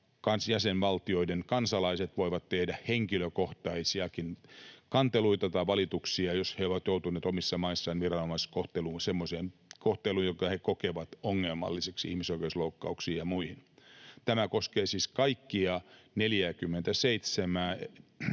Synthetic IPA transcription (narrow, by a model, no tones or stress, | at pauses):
kɑnsjæsenʋɑlt̪ioidenkɑnsɑlɑiset̪ʋoiʋɑt̪tehdæheŋkiløkoht̪ɑisiɑkinkɑnt̪eluit̪ɑt̪ɑiʋɑlit̪uksiɑjosheoʋɑt̪jout̪uneːt̪omisːɑmɑisːɑinʋirɑnomɑiskoht̪eluːsemːoseːnkoht̪eluːjokɑhekokeʋɑt̪oŋːelmɑ̰lːiseksḭhmisoikeusloukːɑ̰uksiːjjɑmuihint̪æmækoskeːsiːskɑikːiɑneljækymːent̪æseit̪semæː